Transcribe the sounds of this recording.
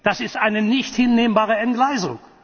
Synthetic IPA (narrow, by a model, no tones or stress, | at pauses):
d̥asɪstʔaɪnənɪçthɪnːeːməmbaːʁəɛnɡlaɪzʊ̰ŋ